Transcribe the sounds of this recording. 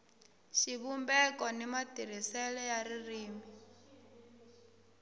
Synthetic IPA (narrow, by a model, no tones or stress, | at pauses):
ʃiβumbɛkʼɔnimatiɾ̤isɛlɛjaririːmi